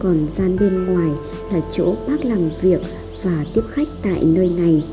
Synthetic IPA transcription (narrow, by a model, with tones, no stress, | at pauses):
kɔ˨˩nzaː˧nɓe˧nŋwaː˨˩j | laː˨˩t͡ɕo̰˧˥ɓaː˦˥k̚la˨˩mvi˨˩ək̚ | vaː˨˩t̪i˦˥əp̚xa˦˥jk̟̚t̪a̰ː˧˨jnəː˧jna˨˩j